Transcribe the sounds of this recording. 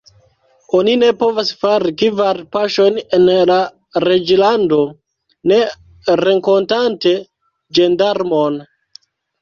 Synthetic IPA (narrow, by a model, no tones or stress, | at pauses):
o̞nine̞po̞vasfaɾikivaɾpaʃo̞jnenla | ɾe̞d͡ʒlando̞ | ne̞ | ɾe̞ŋko̞ntante̞ | d͡ʒendaɾmo̞n